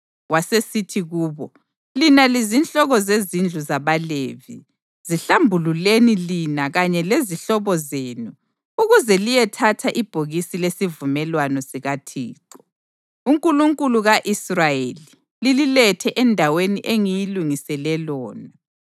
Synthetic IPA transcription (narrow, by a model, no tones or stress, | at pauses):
wasesitʰiɣuːβɔ | linalizint͡ɬʼɔɣɔzezind͡ɮʱuzaβaleːvḭ | ziɬambʱululenilinaɣaɲɛleziɬɔβɔzeːnu | uɣuzɛlijɛtʰatʰaʔib̥ʱoɣisilesivumɛlwanɔsiɣatʰḭːǃɔ̥ | uŋkʼuluŋkʼuluɣaʔisrajeli | lililɛtʰɛʔɛndʱaweniʔeŋijiluŋisɛlɛlɔːna